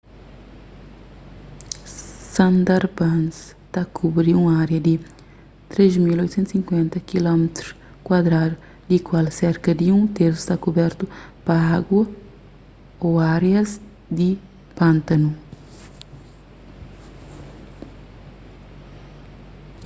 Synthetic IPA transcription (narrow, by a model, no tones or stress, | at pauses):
sɐ̃nd̪aɾbãnst̪akʰubɾiũaɾjɐd̪i | t̪ɾezmilojt̪sẽnt̪sĩŋkwẽnt̪ɐkilɔmt̪ɾu̥ | kwad̪ɾad̪u | d̪ikwalsɛɾkɐd̪iũt̪eɾsu̥st̪akubɛɾt̪upɐaɡwɐ | oaɾjɐz | d̪i | pãnt̪ɐnu